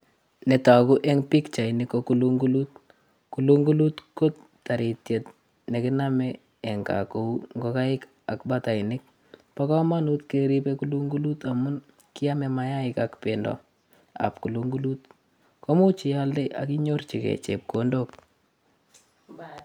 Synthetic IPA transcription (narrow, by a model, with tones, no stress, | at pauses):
nɛ˨ta˨ku˦ʔɛŋpi˦kt͡ʃa˨ɪnɪkːokuluŋɡu˦lu˦t̚ | ku˨luŋɡu˦lu˦tko˦t | ta˨ɾi˨tje˨t | ne˨kɪ˦namɛ | ɛ˨ŋka̰ko˨uŋɡo˦ka˦ɪ˦k | a˨kbata˨ɪnɪk̚ | pakɔ˦ma˦nu˦tkeɾi˦pekulu˦ŋɡu˦lu˦ta˨mʊ˦n | kɪ˦a˦mɛ˨maja˦ɪkakpendɔ̰˨ | a̰p̚ku˨luŋɡu˦lu˦t | kɔ˦mu˦t͡ʃi˨jalde˦ʔa̰ki˦ɲo˦rt͡ʃi˨kɛ̰˨t͡ʃḛp̚kondok̚